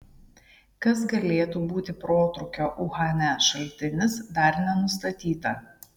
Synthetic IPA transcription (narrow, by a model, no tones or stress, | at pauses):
kɐsɡɐlʲeːt̪uːbuːt̪ʲɪpɾoːt̪ɾʊkʲoːʔʊɣɑːnʲæʃɐlʲt̪ʲɪnʲɪsd̪ɐˑɾnʲɛnʊst̪ɐt̪ʲiːt̪ɐ